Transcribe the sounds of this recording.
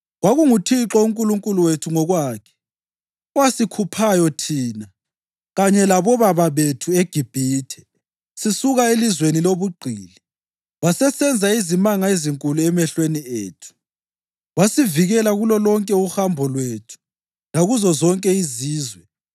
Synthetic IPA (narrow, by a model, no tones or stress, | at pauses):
ɣwaɣuŋutʰiǁɔuŋkʼuluŋkʼuluwetʰuŋɔɣwaːkʰɛ̥ | ɔwasikʰupʰajɔtʰiːna | ɣaɲɛlaβɔβaβaβetʰueɡ̥ʱib̥ʱiːtʰɛ̥ | sisuɣaelizweniloβuɡ͡ǃʱiːli | wasɛsɛnd͡zʱaizimaŋaeziŋkʼuluɛmɛɬwenieːtʰu̥ | ɣwasiviɣɛlaɣulɔlɔŋkʼɛuhambʱɔlwetʰu̥ | laɣuzɔzɔŋkʼɛiziːzwɛ